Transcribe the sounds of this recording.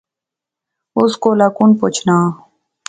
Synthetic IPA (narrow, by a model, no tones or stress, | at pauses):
ʊskolakunpot͡ɕʰnaː